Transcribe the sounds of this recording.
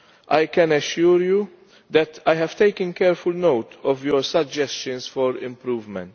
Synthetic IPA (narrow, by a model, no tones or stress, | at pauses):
ʔajkɛ̃nɛʃuːɾju | d̪ɛt̪ajhɛv̥t̪ejkə̃nkɛɾfʊlnowt̪ʰɔvjɔɾsɐd͡ʒɛst͡ʃə̃nsfɔɾɪ̰̃mpɾuːvmɛ̰̃nt̪